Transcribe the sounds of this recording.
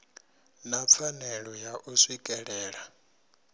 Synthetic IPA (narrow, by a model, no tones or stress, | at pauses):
nap̪fʰanɛɺɔjaʔusikʼɛɺɛːɺa